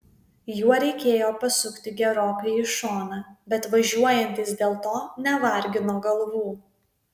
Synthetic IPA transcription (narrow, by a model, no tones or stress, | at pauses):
juɔɾʲɛɪkʲeːjoːpɐsʊkt̪ʲɪɡʲɛɾoːkɐɪɪʃoːnɑːbʲɛt̪ʋɐʒʲuɔjɛnʲt̪ʲɪsd̪ʲeːlˠt̪oːnʲɛʋɐɾʲɡʲɪnoːɡɐlˠʋuː